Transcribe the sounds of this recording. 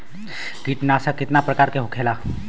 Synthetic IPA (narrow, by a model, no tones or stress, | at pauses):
kiːʈnasakːɪt̪napɾəkaːɾkeɦokʰeːla